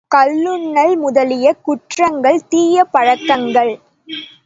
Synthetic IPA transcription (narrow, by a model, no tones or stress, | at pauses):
kɐlːɯɳːɐlmʊðɐlɪjɐkʊʈrɐŋɡɐɭt̪iːjɐpɐɻɐkːɐŋɡɐɭ